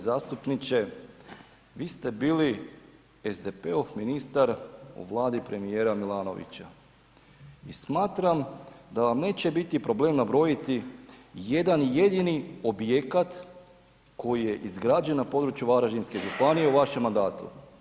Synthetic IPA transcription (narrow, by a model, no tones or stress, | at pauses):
zaːst̪upnit͡ɕe̞ | ʋiːst̪e̞biːli | ezd̪e̞peofminist̪aɾṵʋlˠaːd̪ipɾe̞mijeːɾamilˠaːno̞̰ʋḭt͡ɕa | ismaːt̪ɾamd̪aʋamne̞ːt͡ɕe̞bit̪ipɾo̞ble̞ːmnabɾo̞jit̪ijed̪anje̞d̪inio̞bje̞kat̪ | ko̞jije̞ʔizɡɾaːd͡ʒe̞nnapo̞d̪ɾut͡ʃjuʋaɾaʒinske̞ʒupanije̞uʋaʃemːand̪aːt̪ṵ